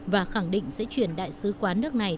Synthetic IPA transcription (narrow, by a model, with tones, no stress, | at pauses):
vaː˨˩xa˧˩ŋɗḭ̈˧˨ŋ̟sɛ̰˧˥t͡ɕwi˧˩ənɗa̰ː˧˨jsɨ˨˦kwaː˨˦nɨ˦˥ək̚na˨˩j